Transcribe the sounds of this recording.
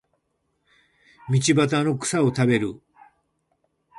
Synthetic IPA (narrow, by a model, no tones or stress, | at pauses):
mʲit͡ɕibat̪ano̞kɯ̟̥saot̪abe̞ɾɯ